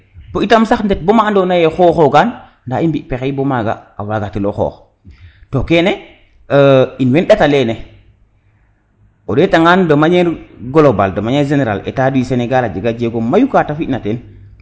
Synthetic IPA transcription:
poitamsaxndet̚bomaːndonajexoxoɡan | ndaimbiʔpexejbomaɡa̰awaɡatiloxɔ̰ːx | tokene | inwenɗatalene | odetaŋandomaɲeɾɡolobaldomaɲeɾʒeneɾa̰lḛtaduiseneɡalad͡ʒeɡad͡ʒeɡomajukatafinaten

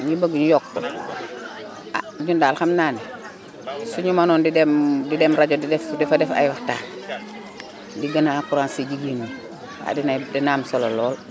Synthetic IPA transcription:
ɲibəɡɲujɔkːɔ̰ | a̰ɲundaːlxamnaːnɛ | suɲumanɔːndidɛmdidɛmɾaɟodidɛfdɛfadɛfa̰jwahta̰ːn | diɡanaːkuɾaːnsiɟiɡini | a̰dinadɛnaːmsɔlalɔːl

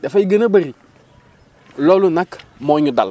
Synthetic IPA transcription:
dafaiɡənabaɾi | lɔlunakmoɲuda̰l

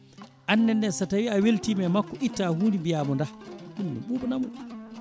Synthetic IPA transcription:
ʔanːɛnːɛsatawiaweltimɛmakːɔʔitːahuːndibijaːmɔndakummḭɓubɔnamuɗ

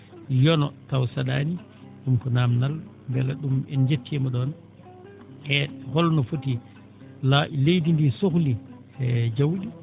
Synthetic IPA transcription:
jɔnɔtawsaɗaːni | ɗumkɔnamnalmbɛlaɗumɛnd͡ʒetːiɛmɔɗɔn | ɛhɔlnɔfoti | laʔlejdindisokli | ɛd͡ʒawɗi

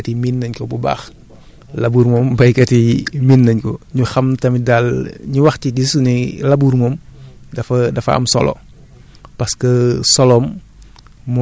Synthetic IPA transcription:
ɐtiminːɐɲkɔbuba̰ːx | lɐbuɾmɔmbɐjkɐtiminːɐɲkɔɲuxɐmtɐmidalɲuwɐxtidisunilɐbuɾmɔːmdɐfɐdɐfɐɐ̰msɔ̰lɔ̰ | pɐskɐsɔlɔːmː

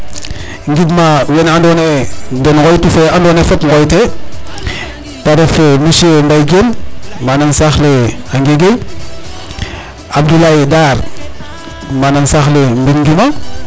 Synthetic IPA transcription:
ŋɡidmawenandonendenɡojtufeandonefetŋɡojte | taɾefemiʃendajɡenmanansaxleaŋɡeɡe | abdulaidaɾ | manansaxlembidŋɡima

